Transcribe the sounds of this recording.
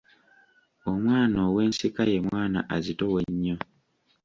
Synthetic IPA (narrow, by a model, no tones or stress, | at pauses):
omwaːnoːwe̞ːnsikaje̞mwaːna̰ʔazitoweɲːo